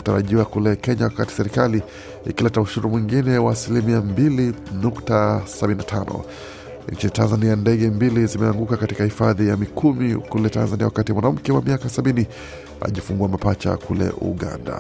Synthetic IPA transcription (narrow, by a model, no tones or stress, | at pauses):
u̥taɾaʄiwakulɛkɛɲawakati̥sɛɾikali | ikilɛtauʃuɾumwiŋɡinɛwaːsilimiambilinuktasaɓininatʰanɔ̰ | nt͡ʃinitanzaniandɛɠɛmbilizimɛaŋɡukakatikahifaðijamikʰumikulɛtanzaniawakatimwanam̩kɛwamiakasaɓini | a̰ʄifuŋɡuamapat͡ʃa̰kulɛ̰ʔṵɠa̰nda̰